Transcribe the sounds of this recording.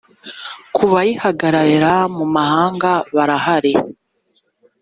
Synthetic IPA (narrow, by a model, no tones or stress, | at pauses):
kʰuβajihaɡaɾaɾeɾamumahaːŋɡaβaɾahaɾe